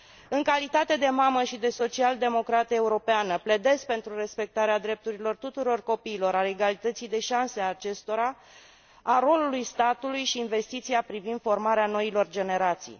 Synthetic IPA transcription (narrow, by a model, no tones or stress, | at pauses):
ɨŋkalit̪at̪e̞d̪e̞maməʃid̪e̞so̞t͡ʃiald̪e̞mo̞kɾat̪e̞uɾo̞peanəpled̪e̞skpe̞nt̪ɾuɾe̞spe̞k̚t̪aɾead̪ɾe̞p̚t̪uɾilo̞rt̪ut̪uɾo̞rko̞piːlo̞ɾaeɡalit̪ət̪sijd̪e̞ʃanseaːt͡ʃe̞st̪o̞ɾa | aɾo̞lulujst̪at̪ulujʃiːnve̞st̪it̪siapɾivind̪̥fo̞rmaɾeano̞ilo̞rd͡ʒe̞ne̞ɾat̪sḭj